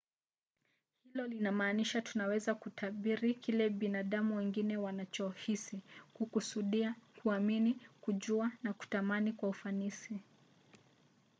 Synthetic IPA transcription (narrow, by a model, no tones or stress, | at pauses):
hilɔlinamaːniʃatunawɛzakutʰaɓiɾikilɛɓinaɗamuwɛŋɡinɛwanat͡ʃɔhisikukusuɗiakuaminikuʄuanaku̥tamanikwaufanisi